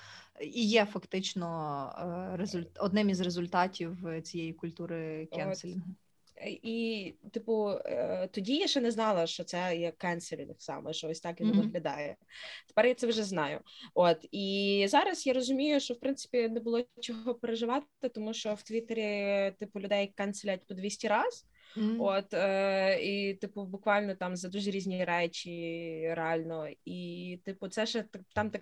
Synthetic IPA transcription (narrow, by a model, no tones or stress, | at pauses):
ijɛfɐkt̪ɪt͡ʃnɔ | ɾezʊlʲɔd̪nɛmʲizrezʊlʲt̪ɑtʲiwt͡sʲijejikʊlʲt̪uɾɪkɛsʲ | ʔit̪ɪpʊt̪ɔdʲijaʃt͡ʃɛnɛznɑlˠɐʃt͡ʃɔt̪sɛjɐkːɛnselʲit̪ɐksɑ̰mɛʃt͡ʃɔɔsʲt̪ɑkjʲɐnɔʋ̪ɐɦlʲɐd̪ɑ̰jɛt̪e̥pɛɾjat̪sɛwʒɛznɑjʊ̰ot̪izɑɾɐsjaɾɔzʊmʲijʊʃt͡ʃɔwpɾɪnt̪sɪ̥pʲinɛbʊlˠɔt͡ʃɔɦɔpeɾeʒɪʋɑt̪ | ɪt̪ɔmuʃt͡ʃɔwt̪ʋʲit̪eɾʲit̪ɪpʊlʲʊd̪ɛjɐkkːɐnt̪selʲat̚ʲpɔd̪ʋʲisʲtʲiɾɑz̥ | ot̪ː | it̪ɪpʊbʊkʋɑlʲnɔt̪ɑmzɐd̪uʒɛɾʲizʲnʲiɾɛt͡ʃʲiɾeɑlʲnɔit̪ɪpʊt̪sɛʒɛt̪ɐt̪ɑmt̪ɐk